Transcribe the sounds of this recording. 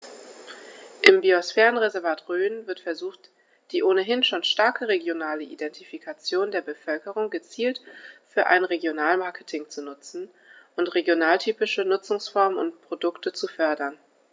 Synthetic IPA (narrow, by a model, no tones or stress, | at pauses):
ʔɪmbiosfɛːʁənʁezɛɐvaːtʁøːnvɪɐtfɛɐzuːχt | d̥iːʔoːnəɦɪnʃoːnʃtaɐkʰəʁeɡjonaːləʔḭdɛntʰifikʰat͡sjoːndeːɐbəfœlkəʁ̞ʊŋɡət͡siːltfyːɐʔa̰ɪnʁeɡjonaːlmaɐkʰə̥tʰɪŋt͡sunʊt͡sn̩ | ʔʊntʁeɡjonaːltʰyːpɪʃənʊt͡sʊŋsfɔɐmənʊ̰ntpʁ̥odʊktət͡sufœɐdɐn